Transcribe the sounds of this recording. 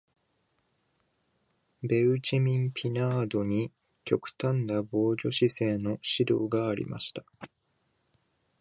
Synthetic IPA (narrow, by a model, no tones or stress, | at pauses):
be̞ɯ̟t͡ɕimʲĩmpʲʰinaːd̪o̞ɲ̟i | kʲo̞kɯ̟̥t̪ãnd̪abo̞ːɡʲo̞ɕise̞ːno̞ɕid̪o̞̰ːɡaːɾʲḭmʔa̰ɕi̥t̪ḁ